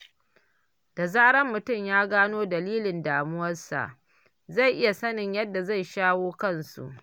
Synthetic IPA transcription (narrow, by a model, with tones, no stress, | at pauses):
d̥a˨zaː˦ɽɐ˦mːʊ˨tʊ˦˨mjaː˦ɡaː˦noː˦dɐ˨liː˦lɪ˨ndaː˨mʊ˦wɐ˦rsa̰˨ʔ | za˦˨jʔɪ˦ja˨sɐ˦nɪ˨ɲjɐ˦dːa˨za˦˨jʃaː˦woː˦kɐ˦nsṵ˨ʔ